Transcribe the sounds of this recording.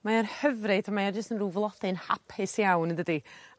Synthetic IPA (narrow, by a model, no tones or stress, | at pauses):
majarhəvrɨdamaard͡ʒəstənruːvlˠɔθɨnha̰pʰɪsjawndədi